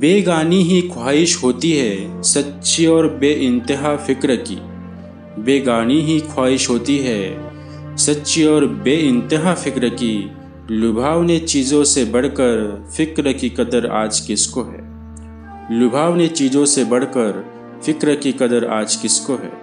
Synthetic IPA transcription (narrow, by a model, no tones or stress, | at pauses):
beːɡaːniɦikʰwaːɪʃɦoːt̪iɦɛsɐtːʃiɔːɾbeːʔɪ̃nt̪ɪɦafɪkɾəkḭː | beːɡaːniɦikʰwaːɪʃɦoːt̪iɦɛ | sɐtːʃiɔːɾbeːɪ̃nt̪ɪɦafɪkɾəki | lʊbʱaːʋnet͡ʃiːzõsebɐɽ̤kəɾfɪkɾəkikɐd̪əɾa̰ːd͡ʒkɪskoɦɛ̰ː | lʊbʱaːʋnet͡ʃiːd͡ʒõsebɐɽ̤kəɾ | fɪkɾəkikɐd̪əɾa̰ːd͡ʒkɪskoɦɛ̰ː